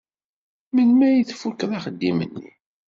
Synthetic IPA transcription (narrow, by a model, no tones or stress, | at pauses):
mənmæjiθfukːðɑχəd̪ːimə̰nːḭ